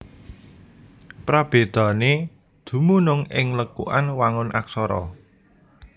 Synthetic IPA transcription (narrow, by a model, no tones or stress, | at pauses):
pɾab̥e̤d̪̥a̤ne | d̪̥ṳmunʊŋɪ̰ŋləkṵʔanwaŋʊnʔa̰ksɔɾɔ̰